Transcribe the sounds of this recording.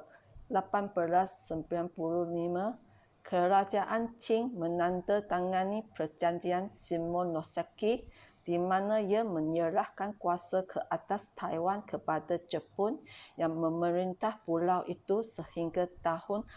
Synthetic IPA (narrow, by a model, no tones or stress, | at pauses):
lapanbəɾasːəmpiɾanpuɾulima | kʰəɾad͡ʒaʔant͡ʃɪŋmə̃nãnt̪ət̪aŋãnipərd͡ʒaɲd͡ʒiansimɔ̃nɔsakid̥imãnãjamə̃ɲəɾahkankuasakʰəʔat̪ast̪ʰajwankʰəpadad͡ʒəpʊnjaŋmə̃məɾint̪ahpulawʔit̪usəhiŋɡat̪ahʊn